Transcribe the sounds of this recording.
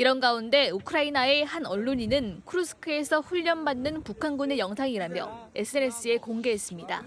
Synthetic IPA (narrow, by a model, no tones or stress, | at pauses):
iɾʌnɡaunde̞ukʰɯɾainae̞hanʌɭːoɲinɯnkʰɯɾusʰɯ̥kʰɯe̞sʰʌɸuʎːʌnbanːɯnpukʰanɡune̞jʌŋsʰaŋiɾamjʌ̰e̞s͈ʰɯene̞s͈ɯe̞koŋɡe̞ɦes͈ɯmɲida̰